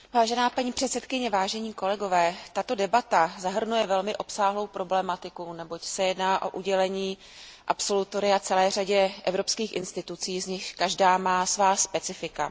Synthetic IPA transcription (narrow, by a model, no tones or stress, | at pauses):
vaːʒɛnaːpaɲiːpr̝̥ɛt̪sɛt̪kɪɲɛvaːʒɛɲiːko̞lɛɡo̞vɛːt̪at̪o̞dɛbat̪azaɦr̩nujɛvɛlmɪʔo̞psaːɦlo̞wpɾo̞blɛmat̪ɪkunɛbo̞csɛjɛdnaːʔo̞̰ʔuɟɛlɛɲiː | ʔapso̞lut̪o̞ɾɪat͡sɛlɛːr̝aɟɛʔɛvɾo̞pskiːxʔɪnst̪ɪt̪ut͡siːzɲɪʃkaʒdaːmaːsvaːspɛt͡sɪfɪka